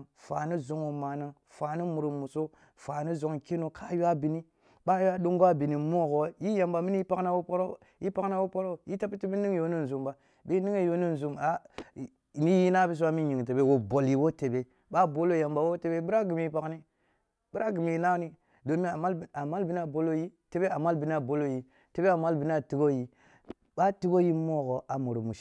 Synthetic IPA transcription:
fa˨ni˦zo˨˦ŋwo˨ma˨na˦ | fa˨ni˦mu˨ɾu˨mu˨so˦ | fa˨ni˦zo˨ŋke˦no˨kʰa˦ju˦a˦bi˨ni˦ | ɓa˦ju˦a˦ɗo˦ŋɡo˦a˦bi˨ni˨mo˦˨ɡo˨wji˦ja˨mba˨mi˦n˦i˦pa˦kna˦wo˦po˦ɾo˦˨ | ji˦pa˦kna˦wo˦po˦ɾo˦˨ji˦ta˦pi˦ti˦bi˦ni˦ŋ˦jo˦ni˦n˨zu˨mba˨ | be˦ni˦ŋe˦˨jo˦ni˦n˨zu˨ma˨ | ni˦ji˦na˦bi˦s̬u˦wa˦mi˦ɲi˨ŋ˨te˨be˦wo˨bo˨lji˨wo˦te˨be˦ | ɓa˦bo˦lo˦˨ja˨mba˨wo˦te˨be˦bi˦ɾa˦ɡi˨mi˨i˦pa˨kni˦ | b̥i˦ɾa˦ɡi˨mi˨ji˨na˦ni˦ | do˨mi˦a˨ma˦la˨ma˦lbi˦n˦a˨bo˦lo˦ji˦te˨be˦a˨ma˦lbi˨n˦a˨bo˦lo˦˨ji˦ | te˨be˦a˨ma˦lbi˨n˦a˦˨ti˦ɡo˦ji˨ | ɓa˦ti˦ɡo˦ji˦mo˦˨ɡo˨a˨mo˨ɾo˨mu˨ʃ

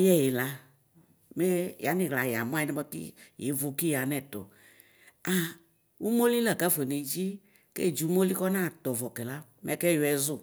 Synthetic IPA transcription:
jɛ˦je˨la˦ | me˦ja˨˦nĩ˨ɣla˨ja˨m˦a˦i˦nɛ˦ɔ˦tḭ˦je˨˦vo˨ki˦ja˨nɛ̃˦t̪ɔ̰˨ | a˨ | wu˦mo˦li˦lɛ˨ɡa˦fe˨ne˨d͡ʒi˦ | kḛ˦˨d͡ʒu˨˦mo˦li˦kɔ˦nã˦˨t̪ɔ˨vɔ˨kɛ˨la˦ | mɛ˦kɛ˦jo˨˦ɛ˨zʊ˦

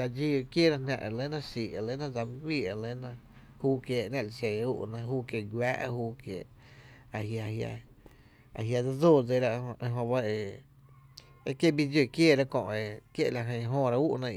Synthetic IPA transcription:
a˧d͡ʒi˦˧˨kje˦˨ɾa˦nʲã̰˧ʔe˨lẽ˦nã˦siː˨e˨lẽ˦nã˦˨d͡za˧mĩ˦ɡwiː˦˨e˨lẽ˦nã˧ | huː˦kjeː˧˨ʔnã˦˨li˧˨se˧˨˧ṵ˦ʔnã˧ɦuː˦kje˧˨ɡwjaː˦ʔhuː˦kjḛː˧˨ʔ | a˨ɦja˧˨hja̰˧ | a̰˨ɦja˧˨d͡za˦d͡zo˦˨d͡ze˧ɾa˦ʔʔe˧ɦõ˧ba˦e˧ | e˦kje˦˨bi˦d͡ʒo˧˨kjeː˦˨ɾa˦kõ̰˧ʔe˨kjḛ˦ʔla˨ɦə̃˧˨˧ɦõː˦˨ɾa˧˦uː˦ʔnã˧

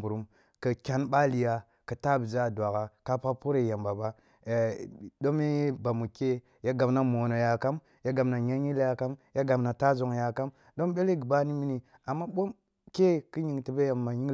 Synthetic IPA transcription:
bu˨ɾu˦m | kə˨kʲa˦nɓa˦li˨ja˨ | kə˨ta˦bza˦˨dwa˨ka˨ka˦pa˦pu˦ɾe˨ja˨mba˨ba˦˨ | do˦me˦ba˨mu˨ke˦ | ja˦ɡa˨bna˦mo˨no˨ja˨ka˦m | ja˦ɡa˨mna˨ɲa˦ɲi˦lja˨ka˦mja˦ɡa˨mna˨ta˦zo˨ŋja˨ka˦m | do˦mɓe˦le˦ɡi˨ba˦ni˦mi˦ni˨ | a˨mːa˦ɓo˦m | ke˦kə˦ɲi˨ŋti˨be˦ja˨mːa˨ɲi˦ŋ

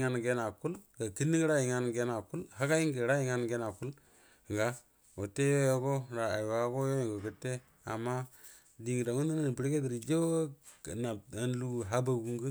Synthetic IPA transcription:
ŋa˦n˨ɡe˦na˨ku˦lɡa˨ti˦ni˦ɡi˦ɾa˦ji˨ŋa˦n˨ɡe˦na˨ku˦lha˦ka˦ji˦ŋɡi˨ɾa˦ji˦ŋa˦n˨ɡe˦na˨ku˦l | ŋɡa˨ | o˨tːe˦jo˦jo˦ko˦ɾa˨a˨jwa˨˦ko˦jo˦jo˨ɡo˨kə˨tːe˦ | a̰˨mːa˦ | di˨ŋi˨ɾa˨ŋu˦di˦na˦n˨pi˦ɾke˦di˨ɾi˨d͡ʒo˦˨ | na˨a˨n˦lu˦˨ɦa˦ba˨ɡu˦ŋɡu˦

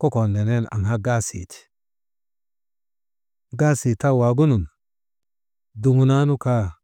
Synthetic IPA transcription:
ko˦ko˨nde˨ne˦na̰˨ŋha˦ɡa˦sḭ˨ti̥˨ | ɡa˦si˨ta˦wa˨ɡu˦nu˨n | du˨ŋu˨na˦nu˦ka˦

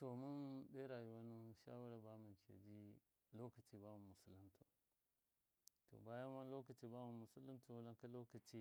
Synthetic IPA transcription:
to˨mu˦nbe˦ɾa˨ju˦wa˦nu˦ʃa̰˦wu˦ɾa˨ba˦mi˨kʰʲḛ˨d͡ʒi˦ | lo˦kɐ˨ti˨ba˦mu˨mu˨su˦li˦ntʰu˨ | to̰˨ba˦ja˦ma˦lo˦kə˨ti˨ba˦mu˨mu˨su˦lːi˦tu˨wla˦ka˦lo˦kɐ˨t͡ʃi˦

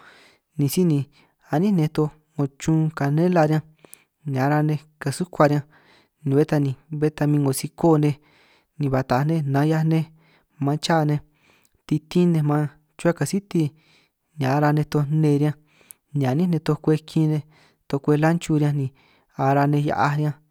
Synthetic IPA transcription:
nĩ˨si˦nĩ˧ | a˧˨nĩ˦nẽ˧t̪o˧ | ŋo˧t͡ʃũ˧ka˨nẽ˦la˧ɾjã˧ | ɲ˨ã˨˦ɾa˧nẽ˧ka˨su˦kʷa˧ɾã˧ | nĩ˧βe˦t̪a˧nĩ˨˧βe˦t̪a˧mĩ˧ŋɡo˨si˧ko˦˨˧nẽ˧ | nĩ˧βa˨t̪a˨˧nẽ˦nã˨˦ja˧nẽ˧ | mã˧t͡ʃa˦˨˧nẽ˧ | t̪i˧t̪ĩ˦nẽ˧mã˧ | t͡ʃu˦a˦˧ka˨si˦t̪i˧ | n˧ã˨˦ɾa˧nẽ˧t̪o˧nẽ˧ɾjã˧ | nĩ˨a˨nĩ˦nẽ˧t̪o˧kʷe˧kʰi˧nẽ˧ | t̪o˧kʷe˧la˦nt͡ʃu˧ɾjã˧nĩ˧˨ | a˧ɾa˧nẽ˧ja̰˧ʔa˧ɾʲjã˧

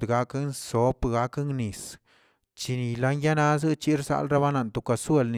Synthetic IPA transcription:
d̪ɡa˧˦knso˨˦pɡa˦kŋni˨s | t͡ʃi˧ni˨la˦ŋja˦na˦z̬ɨ˦t͡ʃi˦ɾsa̰˧˦lɾa˦βa˦na˨nt̪u˨ka˧˨swe˦˧˨lni

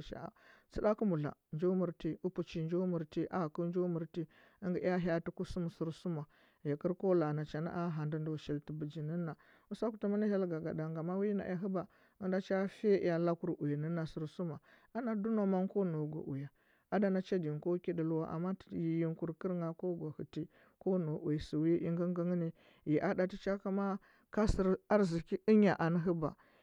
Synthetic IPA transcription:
ʃa̰˨a̰˨t͡si˦da˦ku˦mu˨ɮa̰˨nd͡ʒo˦mu˨ɾti˦u˦pu˨t͡ʃi˨˦nd͡ʒo˦mu˨ɾti˦ʔa˦˨ku˦nd͡ʒo˦mu˨ɾti˦ | ə˦ŋɡi˨˦ja˦ɦja˦tu˦ku˦su˦mu˨su˦ɾsu˦ma˨ | ja˨ki˦ɾko˦la˨na˨t͡ʃa˨na̰˦ʔa˦ɦa˨ndu˦ndu˦˨ʃi˨lti˨bə˨d͡ʒi˨ni˦na˨ | u˦sa˦ku˨˦tu˦ma˦ni˦ɦe˦lɡa˨ɡa̰˨da˨ŋɡa˨ma˦wi˦na̰˨˦a˦ɦu˦ba˨ | ə˦nda˦t͡ʃa˦fe˦˨ja˨la˦ku˦ɾu˨ji˨nə˦nːa˨si˨ɾsu˦ma˨ | a˦na˨du˦no˨ma˦nko˦no˨ɡʷa̰˨ʔu˨ja˨ | a˦da˨na˦t͡ʃa˦di˨nko˦ki˦di˨lu˦wa̰˦ʔa̰˨mːa˦ji˨ji˦ŋku˨ɾkə˦ɾŋa˨ko˦ɡʷa˨hu˨ti˦ | ko˦no˨ʔu˨ji˨si˨wi˦i˦ŋɡə˦ŋɡə˦ŋə˦ni˦ | ji˨ʔa˦da˨ti˦t͡ʃa˦ka˦ma˦ | ka˦sə˦ɾa˦ɾzi˨ki˦i˦ɲa˨ʔa˨nə˦ɦə˦ba̰˨

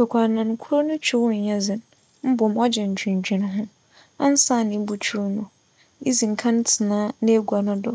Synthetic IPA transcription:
kʰɔ˨kʷʰa˨nã˨n˨˦kʰʊ˦ɾo˦nʊ̃˦t͡ɕʰᶣi˦wʊ˦ɲ̩˨ɲã˦zɪ̃˨n | m̩˦bʊ˨m˦ɔ˦d͡ʑɛ˨ɲ̩˨d͡ʑᶣĩ˨ɲ̩˨d͡ʑᶣĩ˨ñ˦ɦʊ̃˦ | a̰˦n̩˦sa˦˨nɪ̃˨˦bu˨t͡ɕʰu˦ɾnʊ̃˨ | i˦zi˨ŋ̩˨kʰã˦n̩˦tʰɪ˨nãː˦ne˦e˦ɡʷa˨nʊ̃˦dʊ˨

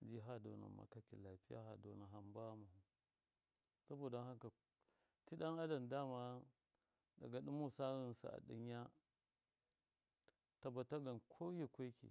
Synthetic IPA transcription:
d͡ʒi˦ɦa˦do̰˨na̰˨ma̰˨ka˨ki˨la˨pi˦ja̰˦ɦa̰˨do̰˨na˨ɦa˨mba˦ma˨hu˨ | sa˦bo˦˨da˨˦ha˦ŋka˨ | ti˦ɗa˦na˦da˨nda˦ma˦ | da̰˨ɡa˨ɗu˦mu˦sa˦ɣi˦n˨sa̰˨a̰˨ɗḭ˦ɲ˦ja˦ | ta˨ba˨ta˦ɡa˨nkʰo˦je˦kʷe˦kḭ˨

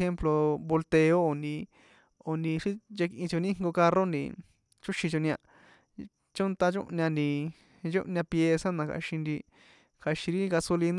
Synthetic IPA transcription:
xe˦mplo˧βo˧lt̪e˧o˦o˨ndĩ˧ | o˧ndĩ˧ʂi˦d͡ʒe˧kʔĩ˧t͡ʃo˧nĩ˦ŋɡo˧ka˧ro˦nd̪ḭ˧˨ | t͡ʃu˦ʃĩ˧t͡ʃo˧nĩ˧ã̰˧ | t͡ʃo˦nt̪a˧t͡ʃõ̰˦ʔnã˧nd̪i˧ | d͡ʒo̰˦ʔnɲʲã˧pje˧sa˦nã˨ka̰˧˨ʃĩ˧nd̪i˧ | kʰa˧ʃĩ˧ɾi˦˧ka˧so˧li˧n˦

